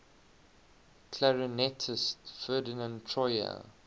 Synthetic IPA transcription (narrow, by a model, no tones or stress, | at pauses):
kʰlaɹɪnɛtʰɪstfɜːdɪnə̃ntʰɹɔjə̰